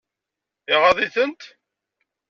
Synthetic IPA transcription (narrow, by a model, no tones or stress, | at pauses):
ɪʁɑðˤiθənt̪